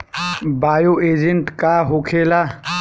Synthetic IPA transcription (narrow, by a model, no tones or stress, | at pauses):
baːjoeːd͡ʒeɳʈkaɦokʰeːla